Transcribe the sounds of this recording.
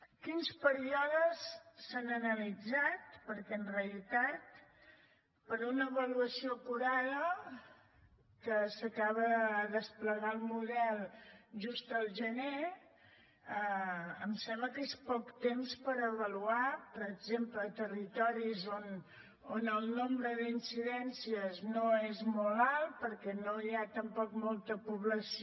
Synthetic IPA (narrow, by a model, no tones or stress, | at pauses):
kinspəɾiɔðəsːanənəlid͡zat̪pəɾkɛənreəlit̪at̪̚ | pəɾunəːβəluəsiokuɾaðə | kəsəkaβəðəspləɣaəlˠmuðɛlˠʒust̪əlˠʒəne | əəmsɛmbləkespɔkt̪emspəɾəβəluapəɾəɡzempləːt̪ərit̪ɔɾizon | onəlˠnombɾəðinsiðɛnsiəznoezmɔlalˠpəɾkɛnoiat̪əmpɔkmɔlˠt̪əpuβləs